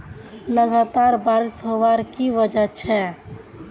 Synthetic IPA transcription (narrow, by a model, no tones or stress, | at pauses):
ləɡat̪aɾbaɾisɦoʋaɾkiʋəd͡ʒət͡ʃʰɛ